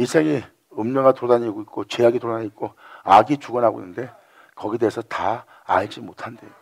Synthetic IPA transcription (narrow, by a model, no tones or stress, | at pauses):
isʰeŋi | ɯmɲʌŋatodaɲiɡoik͈ot͡ɕe̞aɡitoɾaɲik̚k͈oaɡit͡ɕuɡʌnɦaɡo̰ḭnːɯnde̞ | kʌɡide̞esʰʌta | aɭd͡ʑimotʰandejo